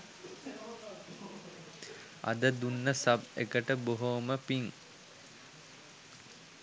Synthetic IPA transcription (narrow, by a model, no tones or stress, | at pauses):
ɐ̰d̪əd̪unːəsɐbḛkəʈəboɦoməpiŋ